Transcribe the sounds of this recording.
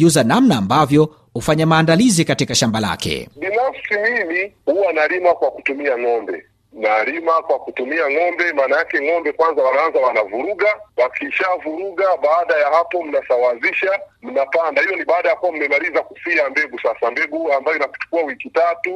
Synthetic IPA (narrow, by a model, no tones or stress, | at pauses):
uzanamnaːmbavjɔ | hufaɲamaːndalizikatikaʃambala̰kɛ̰ɓinafsimimihuwanalimakwaku̥tumiaŋɔmbɛ̰ | nalimakwakutumiaŋɔmbɛmaːnajakɛŋɔmbɛkwanzawanaanzawanavuɾuɡawakiːʃavuɾuɠaɓaːɗajahapɔm̩nasawaziʃam̩napandahijɔniɓaːɗajakuwam̩mɛmalizakufiambɛɡusasambɛɡuambajɔinaku̥t͡ʃu̥kuawikitatu